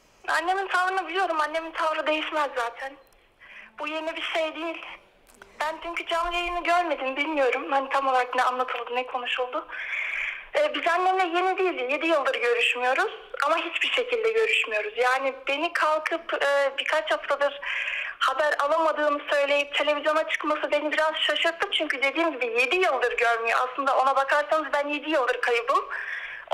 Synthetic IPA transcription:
a̰nːe̞mint̪ʰavɾɯnabilʲijo̞ɾumanːe̞mint̪ʰavɾɯd̪e̞jiʃmɛzːaːt̪ʰæn | b̥uje̞nibiɾʃe̞jd̪ijilʲ | bænt͡ʃʰyɲcʰyd͡ʒamejimiɟøɾme̞d̪inbilʲmijo̞ɾumhanit̪ʰamolˠaɾak̚binɛanlˠat̪ʰɯlˠd̪ɯnɛkʰo̞nuʃulˠd̪ʊ | ɛːbizanːemlʲɛje̞nid̪ijilʲje̞d̪ijɯlˠd̪ɯɾɟø̞ɾyʃmyjo̞ɾuz̥amaɦit͡ʃbiɾʃe̞cʰilʲd̪ɛɟø̞ɾyʃmijo̞ɾuzjaːnibe̞nikʰalˠkʰɯpɯːbiɾkʰat͡ʃhaft̪ʰad̪ɯɾ̥habæɾalˠamad̪ɯːmɯsø̞jlʲe̞jip̚t̪ʰe̞lʲe̞vizjo̞nat͡ʃʰɯ̥kmasɯbe̞nibiɾaz̥ʃaʃɯɾt̪ʰːɯmt͡ʃʰyɲcyd̪e̞d̪iːmɟibije̞d̪ijɯlˠd̪ɯɾɟøɾmyjoʔa̰slˠɯnd̪ao̞nabakʰaɾsanɯzbænje̞d̪ijɯlˠd̪ɯɾkʰajɯbɯm

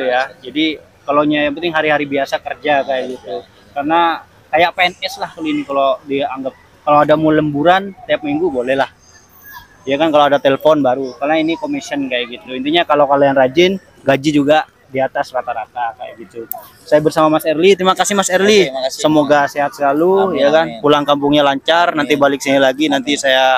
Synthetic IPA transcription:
iujad͡ʒadi | kaloɲajaŋpənt̪ɪŋɦaɾiɦaɾibiasakərd͡ʒakajaʔɡit̪u | karna | kajaʔpeɛnɛslahkaluinikalodiaaŋɡap̚ | kaloadamuləmbuɾant̪iap̚miŋɡubolɛhlah | diakankaloadat̪eləfɔnbaɾukarnainikomisiənkajaʔɡit̪uint̪iɲakalokalaanrad͡ʒɪn | ɡad͡ʒid͡ʒuɡa | diat̪asrat̪aɾat̪aka̰ja̰ʔɡit̪u | sajabərsamamasɛrlit̪əɾimakasɪhmasɛrlisəmoɡaseɦat̪̚səlalujakanpulaŋkampuŋɲalaɲt͡ʃarnant̪ibalɪk̚sanalaɡinant̪isaja

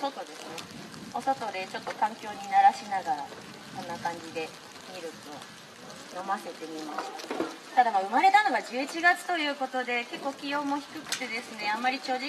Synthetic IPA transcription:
so̞t̪o̞d̪e̞sɨne̞ | o̞so̞t̪o̞d̪e̞t͡ɕo̞t̪ːo̞kãŋkʲo̞ːɲ̟inaɾaɕinaɡaɾa | sõ̞nːakãɲ̟d͡ʑid̪e̞ | mʲiɾɯ̟too | jo̞mase̞t̪e̞mʲimaɕi̥t̪ḁ | t̪ad̪amaɯ̟maɾe̞t̪ano̞ɡad͡ʑɨːit͡ɕiɡat͡sɨ̥t̪o̞jɯ̟ːko̞t̪o̞d̪e̞ke̞kːoːkʲijo̞ːmo̞çi̥kɯ̟kɯ̟̥t̪e̞d̪e̞sɨne̞amːaɾʲit͡ɕo̞ːʑi

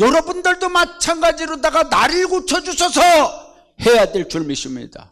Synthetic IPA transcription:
jʌɾʌbundɯɭdomat͡ɕʰanɡad͡ʑiɾodaɡanaɾiɭɡot͡ɕʰʌd͡ʑuɕʰʌsʰʌ | he̞jadweɭt͡ɕuɭmiɕʰimɲḭda̰

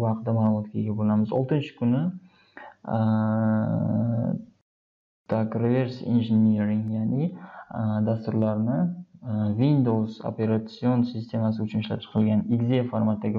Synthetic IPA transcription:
hɑqd̪amaːlˠʊmɒt̪̚kʲaeɡʲabolˠamɪzo̰lˠt̪ɪnt͡ʃʰɪ̥kʰʊnɪ | d̪̥ʰakɾove̞ɾsḭnʒɪneɾɪŋjanɪ | d̪ast̪ʊɾlaɾnɪ | vind̪owzo̰pe̞ɾat̪sio̞nsɪst̪ʰe̞masɪʊt͡ʃʰʊnɪʃlap̚t͡ʃʰɨ̥qʰɨlˠɡʲaniɡzefoɾmat̪ːaɡʲɪ

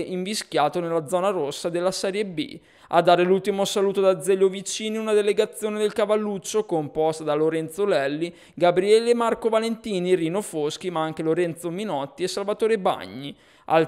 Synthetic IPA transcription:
ʔiɱviskjaːt̪onelːad̪zːɔːnaɾosːad̪elːasɛɾjebḭ | a̰d̪ːaːɾelult̪imosaluːt̪od̪ad̪zːɛʎːovit͡ʃiːniunad̪eleɡat̪sːjoːned̪elkavalːut͡ʃːokompɔst̪ad̪aloɾɛnt̪solɛlːi | ɡabɾiɛːlemːarkovalent̪iːniriːnofosk̟imaaŋk̟eloɾɛnt̪sominɔt̪ːiesːalvat̪oːɾeba̰ɲːi | a̰l

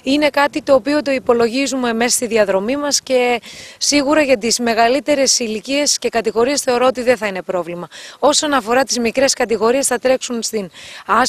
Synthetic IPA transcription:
ine̞kɐt̪it̪o̞ːpio̞t̪o̞ipo̞lo̞ʝizume̞me̞sst̪iðiɐðɾo̞mimɐsce̞siɣuɾɐʝɐt̪izme̞ɣɐlit̪e̞ɾe̞silicie̞sce̞kɐt̪iɣo̞ɾie̞sθe̞o̞ɾo̞ot̪iðeθɐine̞pɾo̞vlimɐo̞sonɐfo̞ɾɐt̪izmikɾe̞skɐt̪iɣo̞ɾie̞sθɐt̪ɾe̞ksunst̪inɐ

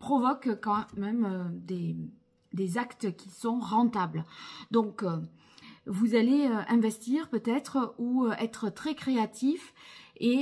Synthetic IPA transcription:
pχɔvɔkkɑ̃mɛmød̪e | d̪ezakt̪əkʲisɔ̃ʁɑ̃t̪abld̪ɔ̃kø | vuzaleøʔɛ̃vɛst̪iʁpøt̪ɛt̪χuøɛt̪χət̪χɛkχeat̪ife

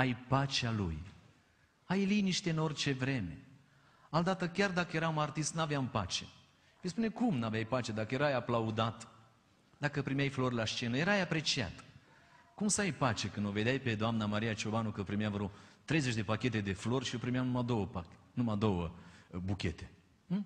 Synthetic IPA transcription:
ajpat͡ʃealṵj | ajliniʃt̪ʲe̞ɨno̞rʲt͡ʃe̞vɾe̞me̞̰ | ald̪at̪əkʲard̪akəje̞ɾaunart̪ist̪navjampa̰t͡ʃe̞ | vispune̞kumnavjajpat͡ʃe̞d̪akəje̞ɾajaplaud̪at̪ | d̪akəpɾimjajflo̞rʲlaʃt͡ʃe̞nəje̞ɾajapɾe̞t͡ʃia̰t̪ | kumsəajpat͡ʃe̞kɨnd̪ove̞d̪ʲajpe̞d̪oamnamaɾijat͡ʃo̞banukəpɾimjavɾo̞t̪ɾe̞jzet͡ʃʲd̪e̞pakʲe̞t̪e̞d̪e̞flo̞rʲʃio̞pɾimeamnumad̪o̞wəpa | numad̪o̞wəbukʲe̞t̪e̞̥

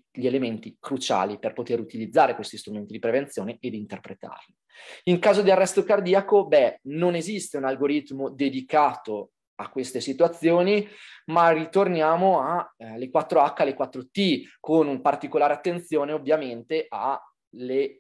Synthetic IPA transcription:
ʎielement̪ikɾut͡ʃa̰ːliperpot̪eɾut̪ilid̪zːaːɾekwest̪ist̪ɾument̪id̪ipɾevenjoːneʔed̪int̪erpɾet̪a̰rli | iŋkaːzod̪iarːɛst̪okard̪iːakobɛnonezist̪eunalɡoɾit̪mod̪ed̪ikaːt̪o | akːwest̪esit̪uat̪sːjoːnimarit̪ornjaːmoalekwat̪ːɾoakːalːekwat̪ːɾot̪ikonumpart̪ikolaːɾeat̪ːent̪sjoːneovːjament̪eʔa | le

